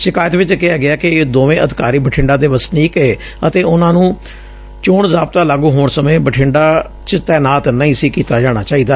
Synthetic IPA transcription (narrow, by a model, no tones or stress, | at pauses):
ʃɪkaːjt̪ʋɪt͡ʃkɪaːɡɪaːkɪːd̪oːʋẽːʔəd̪ɪkaːɾiːbəʈʰɪ̃ɳɖaːd̪eːʋəsniːkeː | ət̪eːʊnãːnũː | t͡ʃoːɳzaːp̚t̪aːlaːɡũːɦoːɳsəmẽːbəʈʰɪɳɖaː | t͡ʃt̪ɛːnaːt̪nəĩːsiːkiːt̪aːd͡ʒaːɽ̃aːt͡ʃaːiːd̪aː